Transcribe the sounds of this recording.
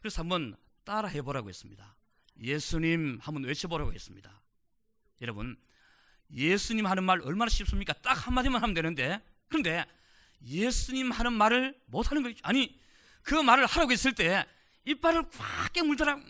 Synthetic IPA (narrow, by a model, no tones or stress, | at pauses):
kɯɾesoamɯn | t͈aɾaɦe̞boɾaɡo̰he̞s͈ɯmɲida | je̞sʰuɲimhamɯnwe̞t͡ɕʰeboɾa̰ɡoɦe̞̰s͈ɯmɲida | jʌɾʌbṵn | je̞sʰuɲimɦanɯnmaɾʌɭmanaɕʰips͈ɯmɲik͈at͈ak̚hamadimɯnɦamɯndwe̞nɯnde̞ | kɯɾʌnde̞ | je̞sʰuɲimhanɯnmaɾɯɭmotʰanɯnɡʌɕid͡ʑoaɲi | kɯmaɾɯɭhaɾaɡoes͈ɯɭt͈e̞ | ip͈ːaɾɯɭkwak͈emuɭdɯɾaɡ